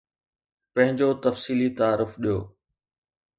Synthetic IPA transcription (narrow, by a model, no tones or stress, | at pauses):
pɐ̃ɦɪ̃ɲd͡ʑot̪ɐfsiːlit̪aaːɾʊfɗijo̰ː